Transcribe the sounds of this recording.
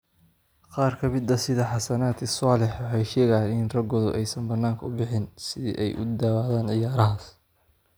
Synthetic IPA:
qɑːrkʰɐmɪd̪ɐsɪðɐħɑsɐnaːt̪ɪsɔːlɛħwɑħɑjʃɛːɣaːnɪnrɐɡɔːðʊ̰ʔɛjsɐnbɐnːaːŋkʰɐʊbɪħɪnsɪðḭʔɛ̰jʔʊ̰d̪aːwaːðaːnʕɪjaːɾɐɦɐs

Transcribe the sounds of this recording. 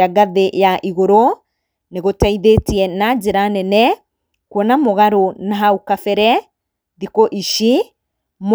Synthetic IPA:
aɡaðejaʔiɣoɾo | neɣotaiðetiɛnad͡ʒeɾanɛnɛ | kwɔnamoɣaɾonaɦaukafɛɾɛ | ðikoʔiʃi | m

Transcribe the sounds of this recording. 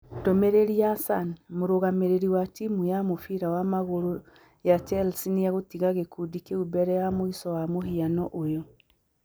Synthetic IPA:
dɔmeɾeɾiasanmoɾoɣameɾeɾiwatimujamofiɾawamaɣoɾo | jat͡ʃɛlsiniaɣotiɣaɣekudikeubɛɾɛjamoisɔwamoɦianɔʔojɔ

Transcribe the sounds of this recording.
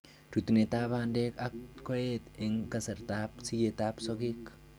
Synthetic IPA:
ɾut̪unet̪aβandekak̚koet̪iŋkɐsɐɾt̪apsijet̪apsokik

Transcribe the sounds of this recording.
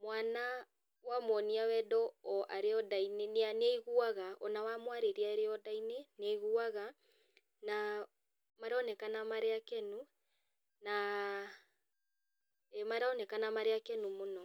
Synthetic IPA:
mwaːna | wamɔniawɛdɔɔʔa̰ɾeɔdaineneaneiɣuaɣaʔɔ̰nawamwaɾeɾiaeɾeɔdaineneiɣuaɣa | na | maɾɔnɛkanamaɾeakɛnu | na | ɛmaɾaɔnɛkanamaɾeakɛnumonɔ

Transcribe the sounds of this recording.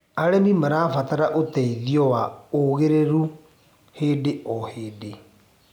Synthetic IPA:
aɾɛnimaɾafataɾaʔotɛiðiɔwaoɣeɾeɾu | heːdeʔɔheːde

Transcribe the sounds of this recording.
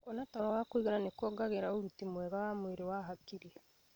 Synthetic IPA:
onataɾɔwakuiɣananekwɔɡaɣeɾaoɾutimwɛɣawamweɾewaɦakiɾie

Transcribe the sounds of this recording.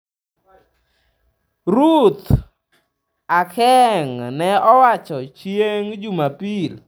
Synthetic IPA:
ɾut̪ | akɛŋnɛɔwat͡ʃɔt͡ʃjeŋd͡ʒumapil

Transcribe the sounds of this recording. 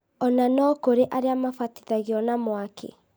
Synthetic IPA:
ɔnanɔkoɾeʔaɾeamafatiðaɣeɔnamwakʰḛ

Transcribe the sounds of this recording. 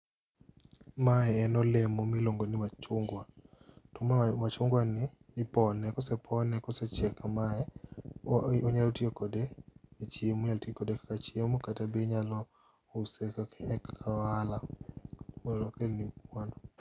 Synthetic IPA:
maɛɛnɔlemomiloŋɡonɪmat͡ʃʊŋɡwatɔmamat͡ʃʊŋɡwanɪː | pɔnɛkɔsɛpʰɔnɛkɔsɛt͡ʃɛkamaɛ | ɔɲalotjekodeːt͡ʃjemɲaltiekodekḁkat͡ʃjemukatabeɲalɔ | usekaɛkːawala | ɔkeniwandɔ

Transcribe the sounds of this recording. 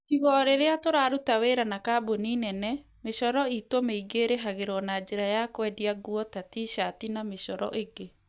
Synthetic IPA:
tiɣɔɾeɾeatoɾaːɾutaweɾanakaːboninɛnɛ | meɕɔɾɔitɔmeiɡeɾeɦaɣeɾɔnad͡ʑeɾajakwɛdiaɡuɔtatiʃatinameɕɔɾɔ̰ʔeɡe

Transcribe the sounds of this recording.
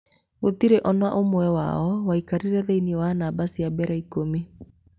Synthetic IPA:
ɣotiɾeʔɔnwaʔomoɛwa̰ɔwaikaɾiɾɛðeiniwaːnabasiabɛɾaikomi

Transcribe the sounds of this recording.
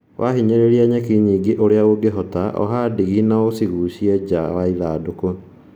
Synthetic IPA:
wʔahiɲɛɾeɾiaɲakiɲiːɡeʔoɾeaoɡeɦɔtaʔɔ̰ɦadiɣinaosiɣuɕiɛd͡ʑawaiðadoko

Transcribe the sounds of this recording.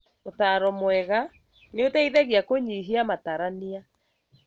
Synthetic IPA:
otaːɾɔmwɛɣa | neotaiðɛɣiakoɲiɦiamataɾania

